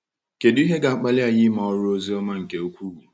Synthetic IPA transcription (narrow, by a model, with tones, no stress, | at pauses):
ke˨dʊ˦i˦ɦe˦ɡa˨a˦k͡pa˦lɪ˦a˨jɪ˦ma˨ɔ˦ɾʊ˦o˦zi˦ɔ˦ma˦ŋ̩˨ke˨o˦kʷu˦ɾu˨